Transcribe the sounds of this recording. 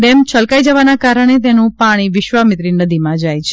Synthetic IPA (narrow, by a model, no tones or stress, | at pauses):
ɖɛmt͡ʃʰəlkaid͡ʒəʋanakaɾəɽ̃et̪̬enũpaɽ̃iʋɪʃʋamɪt̪ɾinəd̪imãd͡ʒajt͡ʃʰ